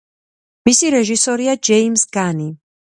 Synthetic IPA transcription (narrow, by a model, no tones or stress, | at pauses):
misiɾɛʒisɔɾiad͡ʒɛimsɡani